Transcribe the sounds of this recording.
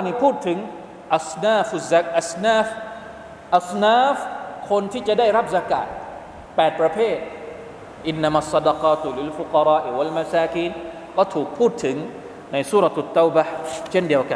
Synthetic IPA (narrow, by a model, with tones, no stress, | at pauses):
niː˥˩pʰuː˥˩t̪ʰːɯ˩˦ŋ | ʔa˨snaː˥˩fu˨za˦k̚ʔa˨˧snaː˥˧˩f | ʔa˨snaː˥fkʰo˧nt̪ʰiː˥˩t͡ɕa˨ʔdaː˥˩jɾa˦˥p̚sa˧ka̰ː˨˩t̪̚ | pɛː˨˩t̪̚pɾa˧pʰeː˥˩t̪̚ | ʔi˧nːa˧ma˧˨sˤːɑ˧dɑ˧qɑː˧t̪li˧lfu˨qɑ˧ɾɑː˦˥ʔiwa˧lma˧saː˧kiː˦˥˩n | kɔː˥˩t̪ʰuː˨˩k̚pʰuː˥˩t̪ʰːɯ˩˦ŋ | na˧jsuː˦˥ɾa˨˧t̪ʔa˨˩t̪ːa˦˥wba˧t͡ɕʰe˥˩ndi˧əwka˨n